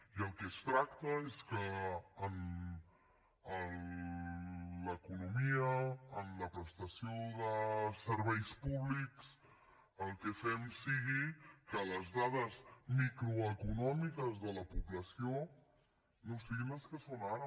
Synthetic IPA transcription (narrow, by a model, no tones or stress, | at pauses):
iəlˠkɛst̪ɾakt̪əeskəːn | n | ləkunumiəːnləpɾəst̪əsioðəsəɾβ̞ɛjspuβliks | əlˠkɛfɛmsiɣikələzðaðəzmikɾuəkunɔmikəzðələpuβləsio | nosiɣiləskəsonaɾə